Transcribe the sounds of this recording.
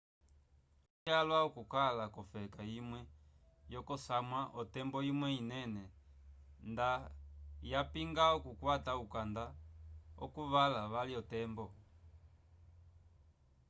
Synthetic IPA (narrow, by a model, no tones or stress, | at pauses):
alwaɔkukalakɔfɛkaimwɛ | jɔkɔsamwaʔɔtɛmbɔimwɛinɛnɛ | ndajapiŋɡaɔkukwataukandaɔ̰kuβalaβaliɔtɛmbɔ